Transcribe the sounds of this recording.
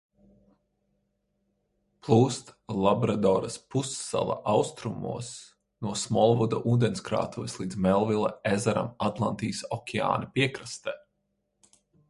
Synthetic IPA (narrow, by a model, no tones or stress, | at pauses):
plˠuːst̪lˠabɾad̪ɔːɾɐspusːa̰lˠa̰ʔawst̪ɾumṵɔs | nuɔsmɔlˠvud̪aʔuːd̪enskɾa̰ːt̪uvislˠiːd̪zmɛlˠvilˠa̰ezaɾa̰mat̪lˠant̪iːsɔkʲʰɛa̰ːnɐpiɛkɾast̪ɛː